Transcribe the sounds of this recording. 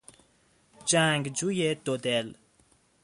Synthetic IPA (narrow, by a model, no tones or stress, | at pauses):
d͡ʒaŋɡd͡ʒujet̪od̪el